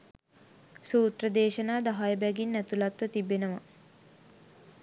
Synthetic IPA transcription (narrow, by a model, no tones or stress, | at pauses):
suːt̪ɾəd̪eːʃənaːd̪aɦajəbɛɡinːæt̪ulat̪ʋət̪ibenəʋɐ